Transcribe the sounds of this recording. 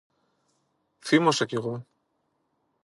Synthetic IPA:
θimosɐceɣo

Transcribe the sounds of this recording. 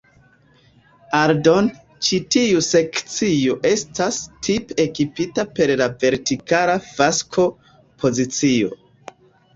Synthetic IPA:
aɾdo̞n | t͡ʃitiuse̞kt͡sioʔe̞stastʰipe̞kipitape̞ɾlave̞ɾtikalavaskʰo̞ | pʰo̞zit͡sio̞̰

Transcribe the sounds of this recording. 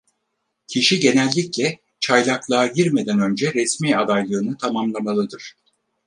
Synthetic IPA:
cʰiʃiɟe̞nælʲːiclʲɛ | t͡ʃʰajlˠaklˠaːɟiɾme̞d̪ænø̞nd͡ʒɛɾɛsmiːad̪ajlˠɯːnɯt̪ʰamamlˠamalˠɯd̪ɯɾ̥

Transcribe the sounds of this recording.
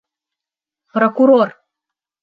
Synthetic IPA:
prokuɾor

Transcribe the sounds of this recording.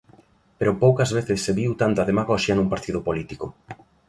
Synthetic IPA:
peɾʊpowkɐzβeθɪsːeβiwt̪ant̪ɐðemaɣɔʃjɐnũmpaɾt̪iðʊpolit̪ikʊ

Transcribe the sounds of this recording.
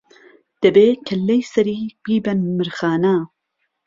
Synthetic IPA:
d̪̥ɐbeːkʰɐlːɐjsɐɾiːbiːbɐnmɨɾxaːna

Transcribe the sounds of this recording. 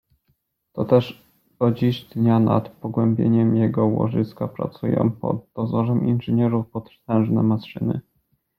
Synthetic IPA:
t̪ɔt̪ɛʂ | ɔd͡ʑiʑd̪ɲana̰t̪pɔɡwɛmbʲjeɲɛmjɛɡɔwɔ̰ʐɘskapɾa̰t̪sujɔ̰̃pɔ̰d̪̚d̪ɔzɔʐɛminʐɘɲɛɾufpɔt̪t̪ɛ̃w̃ʐnɛmasʂɘnɘ̰

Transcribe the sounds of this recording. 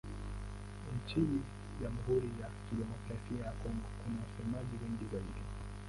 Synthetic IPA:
ɲ̩t͡ʃini | ʄamuɦuɾijakiɗɛmɔkɾasiajakɔŋɡɔkunawasɛmaʄiwɛŋɡizaiɗi

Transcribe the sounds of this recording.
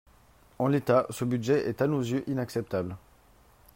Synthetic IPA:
ɑ̃let̪asəbyd̪ʒɛʔɛt̪anozjøʔinaksɛp̚t̪abl

